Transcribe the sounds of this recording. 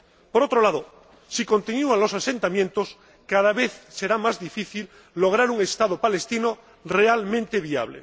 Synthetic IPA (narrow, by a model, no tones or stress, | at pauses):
poɾot̪ɾo̞laðo | siko̞nt̪injuanlo̞sase̞nt̪amjent̪os | kaðaβeθse̞ɾamazðifiθilː | oɣ̞ɾaɾuŋe̞st̪að̞opale̞st̪ino | realmẽ̞nt̪eβia̰βlḛ